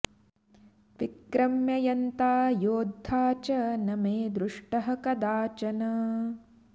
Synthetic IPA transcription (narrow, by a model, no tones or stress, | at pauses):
ʋikɾɐmjɐjɐnt̪aːjoːd̪ʱːaːt͡ʃɐnɐmeːd̪ɾuʂʈɐɦɐ̆kɐd̪aːt͡ʃɐnɐ